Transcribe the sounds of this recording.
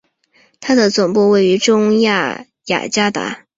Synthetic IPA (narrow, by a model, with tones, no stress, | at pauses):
t̪ʰa˥d̪ə˨t͡sʊ˨˩ŋpu˥˧we˥˩ɪy˧˥ʈ͡ʂʊ˥ŋja̰˥˩ | ja̰˨˩t͡ɕja˥t̪a̰˧˥